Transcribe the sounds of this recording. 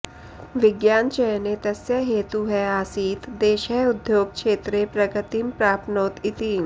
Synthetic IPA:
ʋɪɡjaːnt͡ʃɐjnet̪ɐsjəɦeːt̪uɦɛaːsiːt̪d̪eːʃɦɛʊd̪joːɡ̚kʃeːt̪ɾepɾɐɡət̪impɾaːpnoːt̪ɪt̪iːn

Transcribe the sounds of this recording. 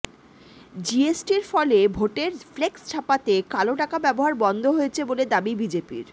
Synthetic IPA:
d͡ʑiesʈiɾfɔlebʱoʈeɾflekst͡ɕʰapat̪ekaloʈakabɛboɦaɾbɔnd̪ʱoɦojet͡ɕʰeboled̪abibid͡ʑepḭɾ

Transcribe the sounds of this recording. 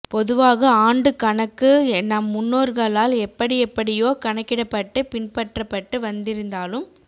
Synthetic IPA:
pɔðɯʋaːɣɐaːɳɖɯkɐɳɐkːɯnɐmːʊnːoːɾɣɐɭaːlɛpːɐɽɪɛpːɐɽɪjoːkɐɳɐkːɪɽɐpːɐʈːɯpɪnpɐʈrɐpːɐʈːɯʋɐnd̪ɪɾɯnd̪aːlɯm

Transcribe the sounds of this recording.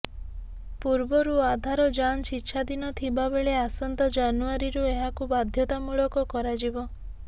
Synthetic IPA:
puɾbɔɾuad̪ʱaɾɔd͡ʒanʃitːʃʰad̪inɔt̪ʰibabeɭeasɔnt̪ɔd͡ʒanuaɾiɾueɦakubad̪ʱjɔt̪amuɭɔkɔkɔɾad͡ʒibɔ

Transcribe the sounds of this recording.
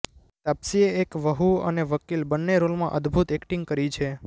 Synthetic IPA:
t̪apsieːkʋəɦuə̰neʋəkilbənːeɾolmã̰ʔəd̪ʱbʱut̪ekʈĩŋɡkəɾit͡ʃʰe

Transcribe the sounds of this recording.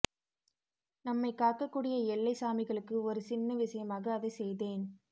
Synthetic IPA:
nɐmːɐɪkaːʈ̚kɐkːuːɽɪjɐɛlːɐɪsaːmɪɣɐɭɯkːɯɔɾɯsɪnːɐʋɪʂɐjɐmaːɣɐːðɐɪsɛjðeːn

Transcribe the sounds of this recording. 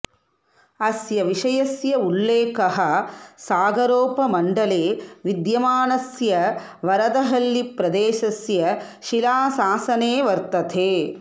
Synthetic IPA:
ɐsjɐʋiʂɐjɐsjɐulːeːkɐɦɐsaːɡɐɾoːpɐmɐɳɖɐleːʋid̪jɐmaːnɐsjɐ | ʋɐɾɐd̪ɐɦɐlːipɾɐd̪eːʃɐsjɐ | ʃilaːsaːsɐneːʋɐɾt̪ɐt̪ʰeː

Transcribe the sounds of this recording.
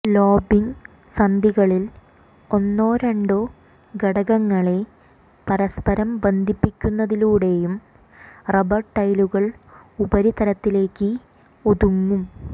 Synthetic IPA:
lo̞ːbiŋ | sɐnd̪ʱiɣɐɭil | o̞nːoːɾeɳɖo | ɡɐɽɐɣɐŋːɐɭe̞ | pɐɾɐspɐɾɐmbend̪ʱipːikʲːunːɐðiluːɽe̞jum | rebɐʈːɐjluɣɐɭubɐɾit̪ɐɾɐt̪ːile̞ːkːɨ | o̞ðuŋːum

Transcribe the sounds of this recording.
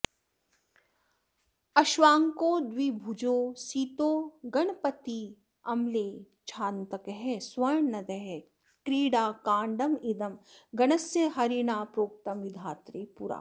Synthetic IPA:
ɐʃʋaːŋkoːd̪wibʱud͡ʒoːsiːt̪oːɡɐɳpɐt̪i | ɐmleː | t͡ʃʰaːnt̪ɐkɦɛswɐjɳːɐd̪ɐɦɛ | kɾiːɽaːkaːɳɖɐmid̪ɐmɡɐnɐsjɐɦɐɾiːnaːpɾoːk̚t̪ɐmʋid̪ʱaːt̪ɾeːpuɾa̰ː

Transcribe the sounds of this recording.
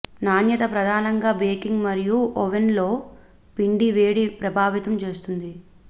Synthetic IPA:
naːnjɐt̪ɐpɾɐd̪ʱaːnɐŋɡaːbɾeːkiŋɡmɐɾijuʔɔʋenlo̞ː | piɳɖiʋeːɽipɾɐbʱaːʋit̪ɐmt͡ʃe̞ːst̪und̪i

